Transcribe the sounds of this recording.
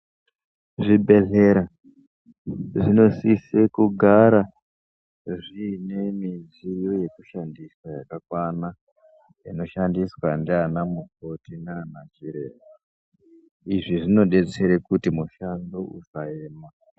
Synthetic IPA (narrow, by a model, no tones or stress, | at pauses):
ʐibʱe̞ɮe̞ɾa | ʐino̞sisekuɡʱaɾa | ʐine̞miz | ijoje̞kuʃandiswajakakwana | ino̞ʃandiswandeanamuko̞tinanat͡ʃiɾe̞̰ːʋa | iʐiʐino̞ɗe̞t͡seɾekutimuʃandousaeːma